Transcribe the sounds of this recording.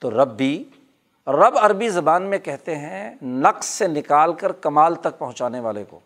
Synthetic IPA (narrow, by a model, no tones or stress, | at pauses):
t̪oɾɐbːi | ɾɐbɐɾbizɐbaːnmẽkɛɦt̪eɦɛ̃nɐqssenɪkaːlkɐɾkɐmaːlt̪ɐk̚pɐɦʊ̃t͡ʃaːneʋaːleko̰ː